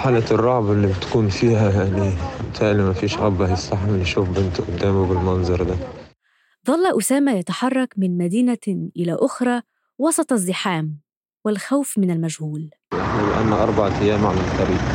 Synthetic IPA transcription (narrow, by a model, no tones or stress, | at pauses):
ħaːlarˤːɑʕbɪlːibɪt̪ḁkuːnfiːhajaʕniɪt̪aːʔlimafiːʃʔɑbahɪsːaħamlːiʃuːfbʔɪnt̪ʔʊd̪ːaːmubɪlmɑnzˤɑɾˤd̪a | ðˤɑlːɑʔʊsaːmajat̪aħɑrˤːɑkmɪnmad̪iːnaʔɪlaʔʊxɾˤɑː | wɑsˤɑt̪ˤɑzːɪħaːm | wɪlxawfmɪnalmaʒhuːl | jaħnilɪ̰ʔa̰nːaʔɑɾˤbɑʕaʔajːaːmʕalalt̪ɑɾiːb